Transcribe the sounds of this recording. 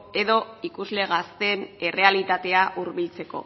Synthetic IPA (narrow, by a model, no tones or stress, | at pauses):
e̞ðo̞ikuzle̞ɣast̪e̞ne̞re̞alit̪at̪e̞aʔuɾβilt͡se̞ko̞̰